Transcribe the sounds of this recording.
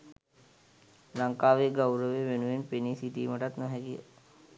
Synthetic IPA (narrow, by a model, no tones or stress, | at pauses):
laŋkaːʋeɡawɾəʋeʋenuʋenpenisiʈḭːməʈat̪nɔɦɛkijə̰